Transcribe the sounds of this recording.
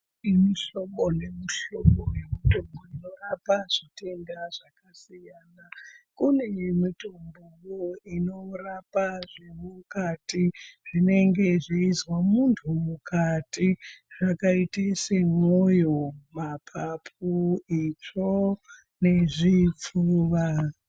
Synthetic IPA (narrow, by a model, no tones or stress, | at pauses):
imiʃomonemuʃomonemitomboino̞rapaʐite̞ndaʐakasijaːnakune̞mitombukoino̞rapaʐemukatiʐ̥ine̞ŋɡe̞ʐeizwamuntʰumukatiʐ̥akaitesemojomapʰapʰuit͡ʂo | ne̞ʐip͡fuʋa